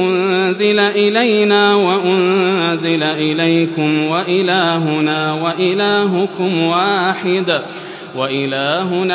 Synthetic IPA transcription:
ʊnzɪlaʔɪlajnaːwaʔʊnzɪlaʔɪlajkʊmwaʔɪlaːɦʊnaːwaʔɪlaːɦʊkʊmwaːħɪd̪a | waʔɪlaːɦʊna

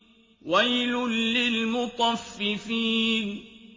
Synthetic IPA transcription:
wajlulːilmʊkɔfːifiː

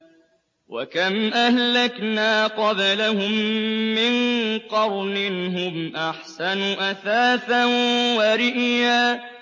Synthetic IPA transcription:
wʔa̰kamʔahlaknaːqɑblahʊmːɪnqɑɾˤnɪɦʊmʔaħsanʔaθaːθanwaɾɪʔjaː

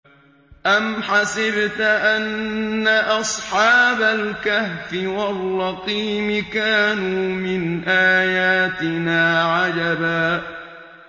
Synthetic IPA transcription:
ʔamħasɪbt̪aʔanːaʔɑsˤħɑːbalkahfɪwarːɑqiːmɪkaːnuːmɪnʔaːjaːt̪ɪnaːʕad͡ʒabaː

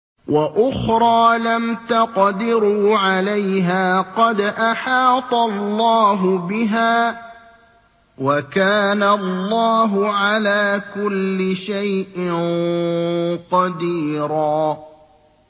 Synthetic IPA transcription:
wʔaʔʊxɾˤɑːlamt̪aqd̪ɪɾuːʕalajɦaːqɑd̪ʔaħɑːt̪ˤɑllˤːɑːɦʊbɪɦaː | wakaːnalːɑːɦʊʕalaːkʊlːɪʃajʔɪn | qɑd̪iːɾɑː

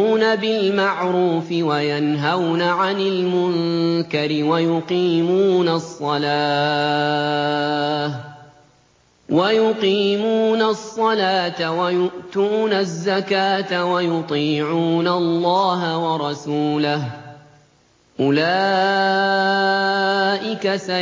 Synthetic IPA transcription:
uːnabɪlmaʕɾuːfɪwajanɦawnaʕanɪlmʊnkaɾɪwajʊqiːmuːnasˤːɑlaː | wajʊqiːmuːnasˤːɑlaːt̪awajʊʔt̪uːnazːakaːt̪awajʊt̪ˤiːʕuːnallːɑːɦawɑɾˤɑsuːlah | ʔʊlaː | ʔɪkasa

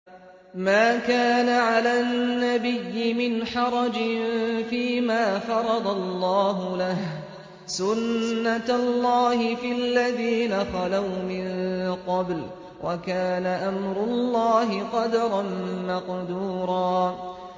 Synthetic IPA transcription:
maːkaːnaʕalaːnnːabɪjːɪmɪnħɑɾˤɑd͡ʒɪnfiːmaːfɑɾˤɑd̪ˤɑlːɑːɦʊlah | sʊnːalːɑːhɪfɪalːaðiːnaxɑlawmɪnqɑbl | wʔakaːnaʔamɾʊlːɑːɦɪqɑd̪ɾˤɑnmɑqd̪uːɾˤɑː

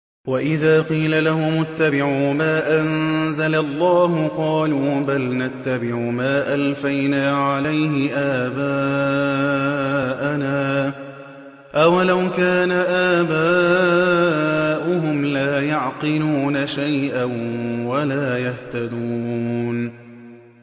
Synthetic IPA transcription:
waʔɪðaːqiːlalahʊmʊt̪ːabɪʕuːmaːʔanzalalˤːɑːɦʊqɑːluːbalnat̪ːabɪʕʊmaːʔalfajnaːʕalajɦɪʔaːbaː | ʔanaː | ʔawalawkaːnaʔaːbaː | ʔʊɦʊmlaːjaʕqɨluːnaʃajʔanwalaːjaht̪ad̪uːn

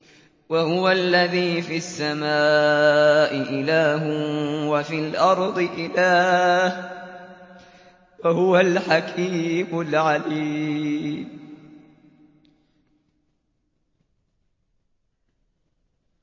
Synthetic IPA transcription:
wahʊwalːaðiːfiːasːamaː | ʔɪʔɪlaːɦwafiːlʔɑɾˤd̪ˤɨʔɪlaːh | wahʊwalħakʰiːmʊlʕaliːm

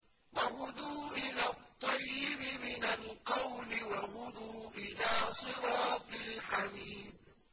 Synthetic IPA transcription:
wahʊd̪uːʔɪlat̪ˤːɑjːɪbɪmɪnalqɑwnɪwahʊd̪uːʔɪlaːsˤɨɾɑːt̪ɪlħamiːd

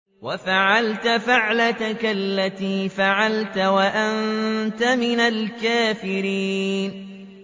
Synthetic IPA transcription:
wafaʕalt̪afɪʕlatakalːat̪iːfaʕalt̪awaʔant̪amɪnalkaːfɪɾiːn

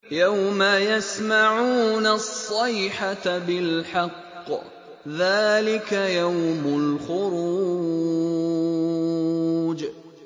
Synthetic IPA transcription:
jawmajasmaʕuːnasˤːɑjħabɪlħɑqː | ðaːlɪkajawmʊlxʊɾu | d͡ʒ

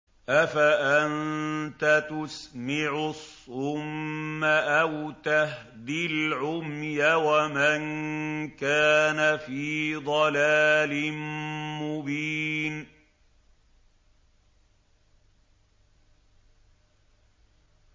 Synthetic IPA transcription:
ʔafaʔant̪at̪ʊsmɪʕʊsˤːʊmmːaʔawt̪aɦd̪ɪlʕʊmjawamaŋkaːnafiːd̪ˤɑlaːlɪnmʊbiːn

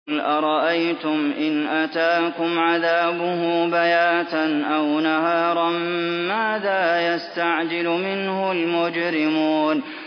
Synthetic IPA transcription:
lʔaɾˤɑʔajt̪ʊmʔɪnʔat̪aːkʊmʕaðaːbʊhuːbajaːt̪anʔawnahɑːɾˤɑmaːðaːjast̪aʕd͡ʒɪlʊmɪnhʊlmʊd͡ʒɾɪmuːn

